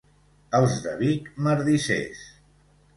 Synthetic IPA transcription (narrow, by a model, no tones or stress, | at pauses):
əlˠzðəβikməɾðisḛs